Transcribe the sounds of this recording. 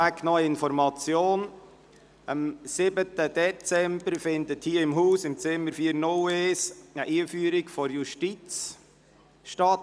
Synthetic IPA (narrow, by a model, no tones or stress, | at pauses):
æknɔjɪnfɔɾmɑt͡sjoːn | əmsɪbət̪əd̥̪ɛt͡sɛmbəɾfɪnd̪əthiəɪmɦuːsɪmt͡sɪmːəɾfiːəɾnoleːsəʔiːfyːəɾikfɔɾjuʃtit͡s | ʃtɑt